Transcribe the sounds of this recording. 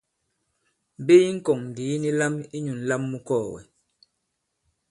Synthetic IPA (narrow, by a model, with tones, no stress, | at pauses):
be˦i˦ŋ̩˦kɔ˨ŋn˨di˨˦ni˦la˦mi˦ɲu˨n̩˨˦la˦mːu˦kɔː˦˨wɛ̰˨